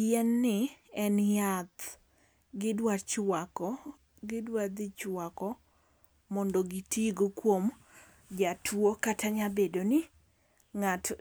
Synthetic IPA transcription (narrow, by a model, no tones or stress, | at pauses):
jɛnːɪɛnjat̪ | ɡɪdwat͡ʃwakɔ | ɡɪdwad̪ɪt͡ʃwakɔ | mɔndɔɡitiɡokwom | d͡ʒatʰwokataɲabedonɪ | ŋat